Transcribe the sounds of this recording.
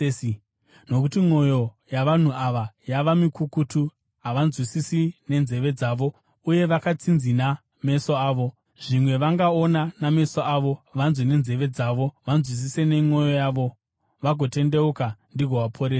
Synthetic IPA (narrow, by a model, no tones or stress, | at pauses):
no̞kutimo̞jo̞ | jaʋan̤uaʋajaʋamikukutu | ɦaʋanzwisisine̞nze̞ʋe̞d͡zaːʋo̞ | uje̞ʋakat͡sinzina | me̞soaːʋo̞ | ʐ̥imwe̞ʋaŋɡaonaname̞soaʋo̞ʋanzwine̞nze̞ʋe̞d͡zaʋo̞ʋanzwis̬isene̞ŋo̞jo̞jaːʋo̞ | ʋaɡʱo̞te̞nde̞ukandiɡʱoʋapʰoɾesa